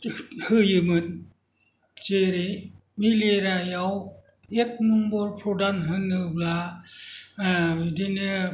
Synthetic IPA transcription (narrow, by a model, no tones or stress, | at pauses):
hɯjɯmɯn | t͡ʃeɾe | mileɾajaw | ek̚nɯmbɔɾpʰɾɔdanɦɯnːɯbla | dinɯ